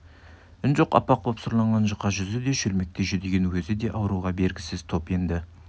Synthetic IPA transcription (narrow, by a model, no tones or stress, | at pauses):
ɪnʒo̞qɑ̰pɑq̚bopsʊɾlˠɑɴʁɑnʒəqːɑʒʏzɪd̪e̞ʃɵlme̞k̚t̪e̞ʒʏd̪eɡʲe̞nwɵzɪd̪e̞ʔɑwəɾuʁɑbe̞ɾɡʲɪsɪzt̪ʰo̞pe̞nd̪ɪ